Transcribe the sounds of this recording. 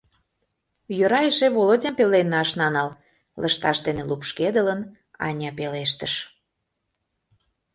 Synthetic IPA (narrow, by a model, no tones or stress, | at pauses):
jøɾɑeʃeβolodʲɑmpelenːɑʃnɑnɑl | lʔə̰ʃt̪ɑʃd̪enelupʃked̪ələn | ɑ̰nʲɑpeleʃ̬t̪əʃ